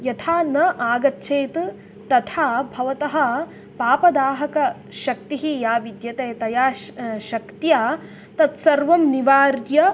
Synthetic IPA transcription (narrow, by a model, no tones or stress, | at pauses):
jɐt̪ʰaːnɐʔaːɡɐt̪ːʃʰeːt̪ | t̪ɐt̪ʰaːbʱɐʋɐt̪ɐɦɐ̆ | paːpɐd̪aːɦɐkɐ | ʃɐk̚t̪iɦijaːʋid̪jɐt̪eːt̪ɐjaːʃɐkt̪jaː | t̪ɐt̪sɐɾʋɐmniʋaːɾjɐ